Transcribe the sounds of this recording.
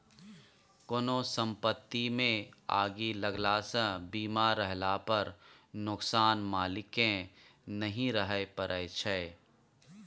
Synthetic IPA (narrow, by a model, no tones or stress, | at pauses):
koːnosə̃mpət̪ːimẽa̰ːɡiləɡlaːsə̃biːmaɾːəɦlapəɾnʊksaːnmaːlɪkẽnɐɦĩɾəɦəepəɾʔəjt͡ʃʰɛː